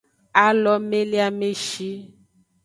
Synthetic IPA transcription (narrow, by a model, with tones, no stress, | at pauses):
a˦lɔ˦me˦li˦a˦me˦ʃi˦